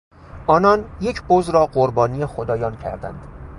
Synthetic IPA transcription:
ʔɒːnɒːnje̞cʰbozɾɒːɢoɾbɒːnijexod̪ɒːjɒːncʰæ̰ɾd̪æ̰nd̪̥

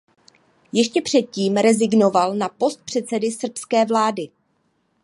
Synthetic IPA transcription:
jɛʃcɛpr̝̥ɛt̪̚ciːmɾɛzɪɡno̞valnapo̞st̪̚pr̝̥ɛt̪t͡sɛdɪsr̩pskɛːvlaːdɪ

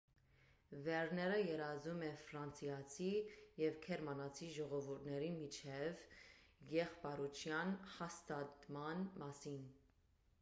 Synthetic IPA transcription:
vɛɾnɛɾəjɛɾɑzumɛfɾɑnt͡sʰjɑt͡sʰijɛvkʰɛɾmɑnɑt͡sʰiʒɔʁɔvuɾt̪ʰnɛɾimit͡ʃʰɛvjɛχpɑɾut͡ʃʰjɑnhɑst̪ɑt̪mɑnmɑsin

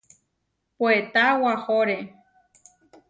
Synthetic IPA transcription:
poet̪awahoɾe

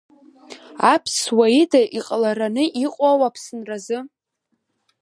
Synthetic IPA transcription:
apʰswaidaʔiqʼlaɾanɨʔiqʷʼawapʰsɨnrazɨ

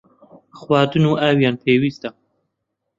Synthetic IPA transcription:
xwɑːd̪ɨnuːʔawjɑːnpʰeːwiːst̪a

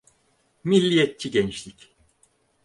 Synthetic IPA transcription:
milʲːijɛt̪̚t͡ʃʰiɟɛnt͡ʃlʲic

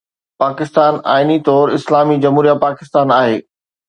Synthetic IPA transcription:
paːkɪst̪aːna̰ːɪnit̪ɔːɾɪslaːmid͡ʑɐmɦuːɾijapaːkɪst̪aːnaːɦḛː

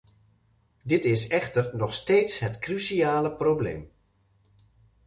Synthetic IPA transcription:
dɪtɪsɛxtərnɔxsteːtsɦətkrysiaːləproblḛːm

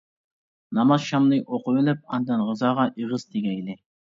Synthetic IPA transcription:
nɑmɑzʃɑmnɨʔoqʊwɪlɪp̚ɑnd̪ɛnʁəzɑːʁɑʔeʁəzt̪ʰeɡʲɛjlɪ

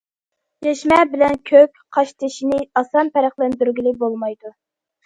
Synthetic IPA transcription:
jɛʃmɛbɪlɛnkʲʰøkʲqʰɑʃt̪ʰɪʃinɪɑsɑnpʰɛɾæχlˠɛnd̪yɾɡʲilɪk̚bolˠmɑjd̪u

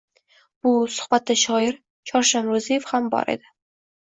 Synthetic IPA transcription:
b̥ʊsʊ̥hbat̪ʰːaʃɒɪɾ | t͡ʃʰɒɾʃanɾozijefhambɒ̰ɾʔḛd̪ɪ

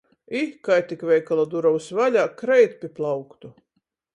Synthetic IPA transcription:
ikajt̪ikvʲɛjkalˠad̪uɾawsvalʲaːkɾɛjt̪pʲiplˠawkt̪u

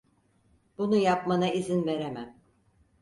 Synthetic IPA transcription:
b̥unujapmanaizinve̞ɾemæm

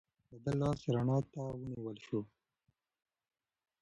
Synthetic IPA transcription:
bɐd̪ɐlːɑːsɾaɳɑːt̪awəniwəlʃu

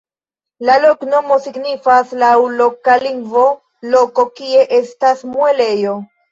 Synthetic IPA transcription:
lalo̞kno̞mo̞siɡnifaslawlo̞kaliŋɡvo̞ | lo̞ko̞kie̞ʔe̞stasmue̞le̞jo̞

